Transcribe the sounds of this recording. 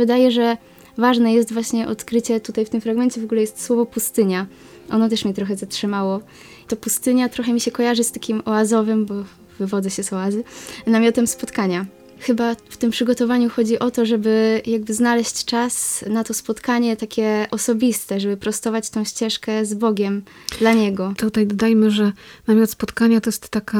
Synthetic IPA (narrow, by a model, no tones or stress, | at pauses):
vɨd̪ajɛʐɛ | vaʐnɛjɛst̪vwaɕɲɛʔɔt̪kɾɘt͡ɕɛt̪ut̪ajft̪ɘmfɾaɡmɛɲt͡ɕɛvɔɡulɛjɛst̪swɔvɔpust̪ɘɲa | ʔɔnɔt̪ɛʂmʲit̪ɾɔxɛzatʂɘmawɔ | t̪ɔpust̪ɘɲat̪ɾɔxɛmʲiɕɛkɔjaʐɘst̪akʲimɔazɔvɘmbɔ | vɘvɔd̪ɛɕɛsɔazɘnamʲjɔt̪ɛmspɔt̪kaɲa | xɘbaft̪ɘmpʂɘɡɔt̪ɔvaɲuxɔd͡ʑiʔɔt̪ɔʐɛbɘjaɡ̚bɘznalɛɕt͡ɕt͡ʂasnat̪ɔspɔt̪kaɲɛt̪akʲɛʔɔsɔbʲist̪ɛʐɛbɘpɾɔst̪ɔvat͡ɕt̪ɔ̃w̃ɕt͡ɕɛʂkɛzbɔɡʲɛm | d̪laɲɛɡɔt̪ut̪ajd̪ɔd̪ajmɘʐɛnamʲɔt̪spɔt̪kaɲat̪ɔjɛst̪ːaka